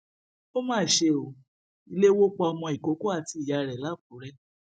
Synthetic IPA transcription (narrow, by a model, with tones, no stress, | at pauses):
o˦mãː˦˨ʃe˧o˨ | i˧le˦wo˦k͡pɔ˧ɔ˧mɔ̃˧i˨ko˨˦ko˦a˦˨ti˧i˨ja˨˧ɾɛ˨la˨˦˨ku˨˦ɾɛ˦